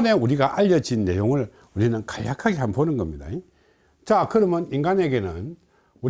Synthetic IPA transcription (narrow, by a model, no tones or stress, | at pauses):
ne̞uɾiɡaʔaʎːʌd͡ʑinːe̞̰joŋɯɭ | uɾinɯnkaʎjakʰaɡe̞ɦanbonɯnɡʌmɲida̰e | t͡ɕakɯɾʌmjʌniŋɡaneɡe̞nɯ̰n | u